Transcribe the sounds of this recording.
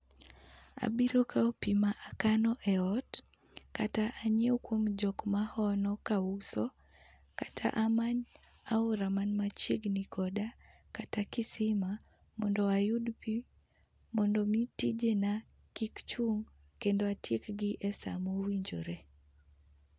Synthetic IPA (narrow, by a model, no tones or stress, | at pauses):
a̰biɾokʰaɔpimaʔakanɔʔɛɔt | kataʔaɲeukwomd͡ʒɔkmahɔnɔkausɔ | katʰa̰ʔamaɲ | auɾamanmat͡ʃeɡnikɔda | katakisima | mɔndɔajudpi | mɔndɔmitid͡ʒena | kikt͡ʃuŋ | kendoatjekɡiʔɛsa̰mowiɲd͡ʒo̰ɾe